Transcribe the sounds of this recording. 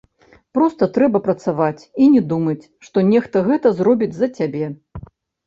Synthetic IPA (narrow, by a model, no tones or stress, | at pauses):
pɾɔst̪ɐt̪ɾɛbɐpɾɐt̪savat͡sʲinʲɛd̪umɐt͡sʲʂt̪ɔnʲɛxt̪ɐɣɛt̪ɐzrɔbʲid͡zʲzɐt͡sʲabʲɛ